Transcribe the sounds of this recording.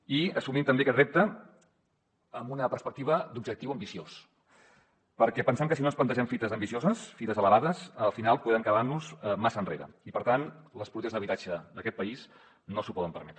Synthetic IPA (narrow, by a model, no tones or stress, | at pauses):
iəsumimt̪əmbekɛt̪rɛp̚t̪ə | əmbunəpəɾspək̚t̪iβəd̪ubʒək̚t̪iwəmbisios | pəɾkɛpənsamkəsinonsplənt̪əʒɛmfit̪əzəmbisiozəsfit̪əzələβaðəsəlˠfinalˠpweðəŋkəβaɾnuzmasənrḛɾə̰ipəɾt̪anləspɾut̪eəzðəβit̪ad͡ʒəðəkɛt̪̚pəis | nosupɔðəmpəɾmɛt̪ɾə